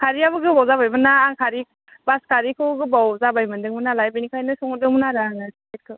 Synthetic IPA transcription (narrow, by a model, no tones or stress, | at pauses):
kʰaɾiabɯɡɯbawzabajbɯnaːŋkʰaɾi | baskʰaɾikʰɯɡɯbawzabajmɯndɯŋmɯnalajbinikʰajnɯsɔŋɔdɯŋmɯnaɾaŋaset̚kʰɯ